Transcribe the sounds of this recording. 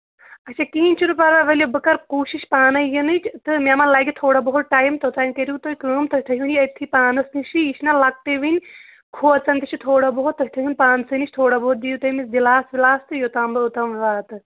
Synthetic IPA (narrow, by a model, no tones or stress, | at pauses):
ɐt͡ʃʰakiːinʲt͡ʃʰunupɐɾɐʋɐlʲobɨkɐɾkuːʃiʃpaːnɐjɐnɨt͡ʃʰt̪ɨmʲamɐnlaːɡʲit̪ʰoːɽabɐɦut̪̚ʈaːjmt̪ot̪aːjmkɐɾit̪ojkəːmt̪ʰɐt̪ʰɐɦʲjunjiɐt̪ʰːipaːnɐsnɨʃiiʃʰnɐlɐk̚t̪eʋinʲ | kʰuːɐt͡sɐnʲt̪it͡ʃʰit̪ʰoːɽabɐɦut̪ːɐɦʲt̪ʰɐɦunʲpaːnsɨnit͡ʃʰt̪ʰoːɽaboɦut̪̚d̪ijut̪ɐmisd̪ilaːsʋilaːst̪ɨjot̪aːmbɨut̪ɐmʋʋaːt̪ɨ